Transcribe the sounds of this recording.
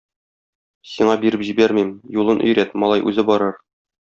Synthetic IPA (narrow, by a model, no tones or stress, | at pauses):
siɴɑbiɾɘpʑibæɾmimjulˠɤnʔɵ̰̆jɾæt̪mɒlˠɑjʔʉ̰zɘbɒɾɤɾ